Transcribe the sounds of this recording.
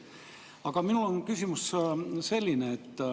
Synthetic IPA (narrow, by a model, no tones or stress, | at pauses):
ɑɡ̥ɑminulonkysʲimusse̞lʲːineːt̪ː